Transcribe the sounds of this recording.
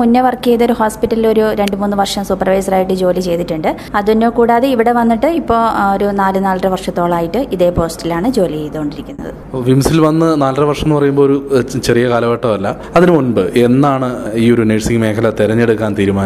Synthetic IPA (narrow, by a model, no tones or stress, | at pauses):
unːɐʋɐrkeðo̞ɾuhoːspiʈːɐlilo̞ɾuɾe̞ɳɖɨmuːnːɨʋɐrʂɐmsupːɐrʋɐjsɐraːjiʈːɨd͡ʑo̞ːlit͡ɕe̞jt̪iʈːuɳɖɨ | ɐðunːo̞ːkuːɽaːðeiʋiɽe̞ʋɐnːiʈːɨipːo̞ːɭoɾunaːlɨnaːlrɨʋɐrʂɐt̪ːo̞ːɭaːjiʈːɨʔiðe̞ːpo̞ːstilaːɳɨd͡ʑo̞ːliejit̪ːoːɳɖiɾikʲːunːɐ̰ðɨ̰ | ʋimsilʋɐnːɨnaːlrɨʋɐrʂɐmnːɨpɐrɐjumboːoɾut͡ɕerijɐkaːlɐʋɐʈːɐʋɐlːɐ | ɐðinɨunbɨʔe̞nːaːɳɨiːo̞ɾuneʈsiŋme̞ːkʰɐlɐt̪iɾɐɲːe̞ɽukːaːnt̪iːɾumaːnɐ